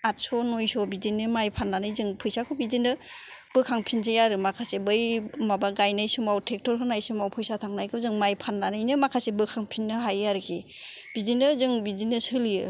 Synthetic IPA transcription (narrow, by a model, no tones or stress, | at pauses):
at̚sɔnojsɔbizinːɯmajpʰanːanɯjzɯŋpʰɯjsakʰɯbizindɯb̥ɯkʰaŋpʰins̬ʰejaɾɯmakʰasebɯjmabaɡajnɯjsɯmawtʰek̚tɔɾɦɯnajsɯmawpʰɯjsatʰaŋnajkʰɯzɯŋmajpʰanːanɯjnɯmakʰasebɯkʰaŋpʰinːɯɦajaɾɯkʰib̥izindɯzɯŋbizineshɯlijɯ